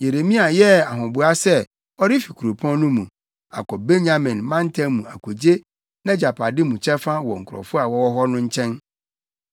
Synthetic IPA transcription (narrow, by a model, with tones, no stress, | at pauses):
je˨ɾe˨mĩ˦a˨jɛ˦a˨ɦʊ̃˨bʊ˦a˦sɛ˦ | ɔ˦ɾɪ˦fi˨kʰu˨ɾo˨pʰɔ̃˦nʊ̃˦mũ˨ | a̰˨kɔ˨be˦ɲa˨mɪ̃˨nmã˦n˦tʰɛ̃˦mũ˨a˨kʰo˨d͡ʑe˦ | nã˦d͡ʑa˨pʰa˨dɪ˦mũ˨t͡ɕʰɛ˦fã˦wɔ˨ŋ̩˨kʰʊ˨ɾɔ̰˨fʊ˦a˨wɔ˦wɔ˦ɦɔ˦nʊ̃˦ɲ̩˦t͡ɕʰɛ̃˦n